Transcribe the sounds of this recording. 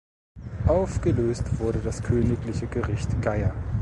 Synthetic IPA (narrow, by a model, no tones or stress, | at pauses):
ʔaʊfɡ̥əløːstv̥ʊɐɾədaskʰøːnɪklɪçəɡəʁɪçtɡ̥aɪɐ